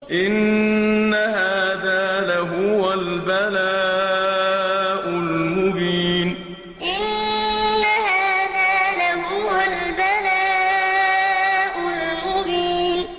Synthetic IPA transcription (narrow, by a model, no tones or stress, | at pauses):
ʔɪnː | ahaːðaːlaɦʊwalbalaː | ʔʊlmʊbiːn | ʔɪnː | ahaːaːðaːlaɦʊwalbalaː | ʔʊl | mʊbiːn